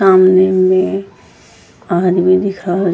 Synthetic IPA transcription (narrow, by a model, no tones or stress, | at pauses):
aːmnemẽ | aːd̪bĩd̪ɪkʰaɦo